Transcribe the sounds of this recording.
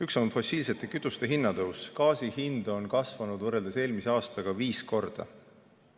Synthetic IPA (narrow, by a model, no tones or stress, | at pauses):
yksonfo̞siːlse̞t̪ːˑe̞kyt̪ːˑust̪e̞ɦinːɑd̪ɤwskɑːsihind̪o̞nkɑsvɑnud̪vɤrːe̞ld̪ese̞ːlmiseɑːst̪ɑɡ̥ɑviːsko̞rd̪̥ɑ̰